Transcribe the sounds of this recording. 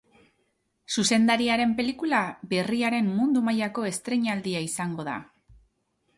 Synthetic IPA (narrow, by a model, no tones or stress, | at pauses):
suse̞nd̪aɾiaɾe̞mpe̞likulabe̞riaɾe̞mːund̪umajako̞e̞st̪ɾe̞ɲald̪iaisaŋɡo̞ð̞a̰